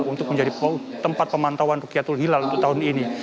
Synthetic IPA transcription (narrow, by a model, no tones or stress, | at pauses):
unt̪ʊk̚məɲd͡ʒadipou | t̪ːəmpat̪̚pəmant̪awanrukiat̪ulɦilalt̪aɦʊnini